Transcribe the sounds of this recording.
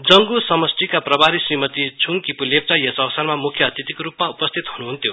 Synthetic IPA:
d͡zʌŋɡusʌmʌsʈikaprʌbaɾisrimʌt̪it͡sʰuŋkipulep̚t͡sajʌsʌwsʌrmamukʰːjʌːt̪it̪ikoɾupmaupʌst̪ʰit̪ɦunuɦunt̪ʰjo

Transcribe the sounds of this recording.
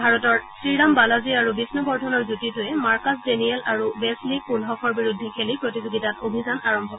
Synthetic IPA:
bʱaɹɔtɔɹsɹiɹambalaziaɹubisnɔbɔɹdʱɔnɔɹzutitʊɛmaɹkɔsdeniɛlaɹuwɛslik̚punɦɔkʰɔɹbiɹudʱːɛkʰelipɹotizoɡitatobʱizanaɹɔmbʱɔk

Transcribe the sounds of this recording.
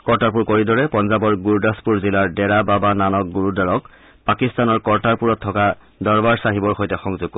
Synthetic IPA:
kɔɹtaɹp̬uɹkoɹidɔɹɛpɔnzabɔɹɡuɹdaspuɹzilaɹdɛɹababananɔk̚ɡuɹudaɹɔk | pakistanɔɹkɔɹtaɹpuɹɔtʰːɔka | dɔɹbaɹsaɦibɔɹxojtɛxɔŋzuɡ̚ɔ

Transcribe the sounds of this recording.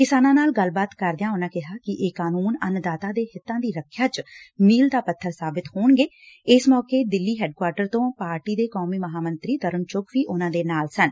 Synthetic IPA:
kɪsaːnãːnaːlɡəlbaːt̪kəɾd̪ɪjãːʊnãːkɪɦaːkɪʔeːkaːnuːnənd̪aːt̪aːd̪eːhɪt̪ːãːd̪iːɾəkʰːjaːt͡ʃmiːld̪aːpət̪ʰːəɾsaːbɪt̪hoːɳɡeː | ɪsmɔːkeːd̪ɪlːiːɦɛːɖ̚kwaːɾʈəɾt̪õːpaːɾʈiːd̪eːkɔːmiːməɦaːmənt̪ɾiːt̪əɾənt͡ʃʊkʋiːʔʊnãːd̪eːnaːlsən

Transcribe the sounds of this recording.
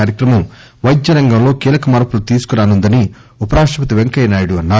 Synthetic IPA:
aːɾjɐkɾɐmɐmʋɐjd̪ːɐɾɐŋɡɐmlo̞ːkiːlɐkɐmɐːɾɐpulut̪iːsu̥kuɾaːnund̪ɐniupɐɾaːʂʈɐpɐt̪̬iʋeŋkɐjnaːjuɽuɐnːaː

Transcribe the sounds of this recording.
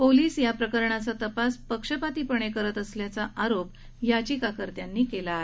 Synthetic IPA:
poliːsjapɾəkəɾɳat͡sat̪əpaspəkʂəpat̪ipəɳ̃ekəɾət̪əsljat͡saʔaɾop | jat͡ɕiːkakəɾt̪janːiːkelae

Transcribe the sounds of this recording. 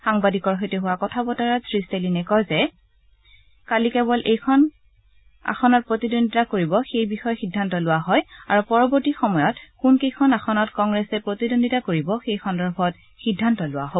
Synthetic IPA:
xaŋbadikɔɹɦɔjtɛɦʊwakɔtʰabɔtaɹatʰɹistelinɛkɔzɛ | kalikɛbɔlʔejkʰɔn | a̰xɔnɔt̚pɹotidonditakoɹibɔxejbixɔjɔxidʱːantɔlʊwaɦɔjaɹupɔɹɔbɔɹtixɔmɔjɔtkunkejkʰɔnaxɔnɔtkɔŋɡɹɛsɛpɹotidonditakoɹibɔxejkʰɔndɔɹbʰɔt | xidʱːantɔlʊwa̰ɦo

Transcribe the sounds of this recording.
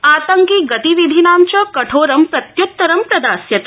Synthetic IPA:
aːt̪ɐŋkiɡɐt̪iʋid̪ʱinaːmt͡ʃɐkɐʈʰoːɾɐmpɾɐt̪jut̪ːɐɾɐmpɾɐd̪aːsjɐt̪

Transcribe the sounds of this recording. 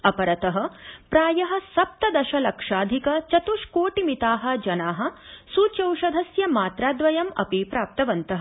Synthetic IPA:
ɐpɐɾɐt̪ɐɦɐ̆pɾaːjɐɦɐ̆sɐp̚t̪ɐd̪ɐʃɐlɐkʂaːd̪ʱikɐt͡ʃɐt̪uʂkoːʈimit̪aːɦɐ̆d͡ʒɐnaːɦɐ̆suːt͡ʃɐwʂɐd̪ʱɐsjɐmaːt̪ɾaːd̪ʋɐjɐmɐ̰piːpɾaːp̚t̪ɐʋɐnt̪ɐɦɐ

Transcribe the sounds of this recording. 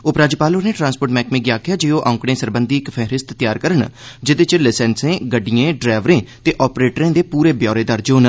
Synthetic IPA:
oːpɾaːd͡ʒipaːloːneːʈɾãːnspoːɾʈmɛ̃ːkmẽːɡɪjaːkʰɪjaːd͡ʒeːoːʔãʊ̃ŋkɽ̃ẽːsəɾbənd̪iːɪkpʰɛɦɾɪst̪t̪ɪjaːɾkəɾəɳd͡ʒɪd̪eːt͡ʃlɪsɛːnsẽːɡəɖːijẽːɖɾɛːʋɾẽːt̪eːʔɔːpɾeːʈɾẽːd̪eːpuːɾeːbjɔːɾeːd̪əɾd͡ʒoːn

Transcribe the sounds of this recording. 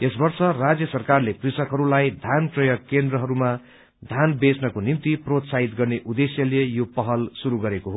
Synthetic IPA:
esbʌrsʌrad͡zjʌsʌrkarleprisʌkɦʌɾulajd̪ʱjanprʌjʌɡkːend̪rʌɦʌɾuma | d̪ʱjanbesnʌkonimt̪iprot̪saɦit̪ɡʌrneʔud̪esjʌlejopʌɦʌlsuɾuɡʌɾekoɦo

